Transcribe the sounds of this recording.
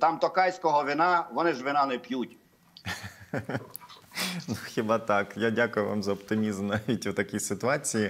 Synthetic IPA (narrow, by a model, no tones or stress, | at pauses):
t̪ɑmt̪ɔkɑjsʲkɔɦɔʋɪnɑʋɔnɪʒʋɪnɑnɛpʲjutʲ | nuxʲɪbɑt̪ɑkjadʲakʊjʊʋa̰mzɐɔpt̪ɪmʲizmnɑʋʲitʲwt̪ɐkʲisɪt̪ʊɑt͡sʲiji